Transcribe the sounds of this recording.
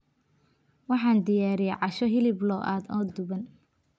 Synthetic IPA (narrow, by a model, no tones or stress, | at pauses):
wɑħɑːnd̪ɪjaːɾɪjɛʕɑʃɔɦɪlɪblɔːʔa̰ːd̪ɔːd̪ʊβɐn